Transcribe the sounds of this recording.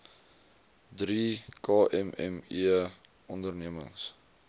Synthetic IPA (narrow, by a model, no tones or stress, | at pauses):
drikɑːʔɛmɛ̰miə | ɔndərniəmə̰ŋs